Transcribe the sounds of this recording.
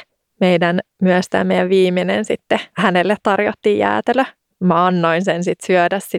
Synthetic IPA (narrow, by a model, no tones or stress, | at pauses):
mejdæn | myøst̪æ̰ːmejæʋʋiːminḛnsit̪ːehænelːet̪t̪ɑrjo̰t̪ːiːjæ̰ːt̪elø | mɑɑnːoinsensit̪syødæss